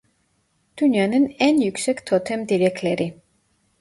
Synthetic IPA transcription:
d̪̥unjɑnɛnɛnjuksɛkʰt̪ʰɔt̪ʰɛmd̪iɾɛkʰlɛɾi

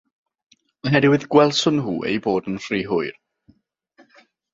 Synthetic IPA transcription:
ɔnɦɛdɪwɪðɡwɛlˠsʊnɦuːʔḛjboːdənfriːɦʊɨr

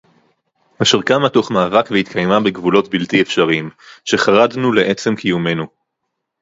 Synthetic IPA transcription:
aʃiʁkamatuχmaːvakveit̪kʰajmabeɡvulo̞tbiltiefʃaʁimʃe̞χaʁadnule̞ʔe̞t͡semkʰijume̞nu

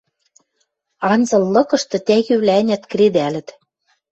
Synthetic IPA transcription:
ɑnzɤ̆lːɤ̆kɤ̆ʃt̪ɤ̆t̪æɣyβlænʲæt̪kred̪ælɘ̆t̪

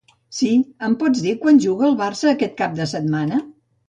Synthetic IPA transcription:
siəmpɔd͡zðikwanʲʒuɣəːlˠβarsəːkɛt̪̚kap̚d̪əsət̪̚manə

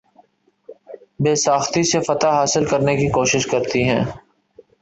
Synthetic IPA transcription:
beːsaːxt̪isefɐt̪aɦaːsɪlkɐɾnekikoːʃɪʃkɐɾt̪iɦɛ̰̃ː

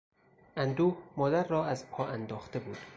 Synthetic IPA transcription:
ʔænd̪uːmɒːd̪æɾːɒːæzpʰɒːænd̪ɒːxt̪e̞buːd̪̥

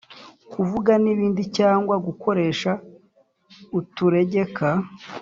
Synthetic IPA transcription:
kuvuɡaniβiːndicaːŋɡwaɡuko̞ɾe̞ːʃa | utuɾe̞ɟe̞ka

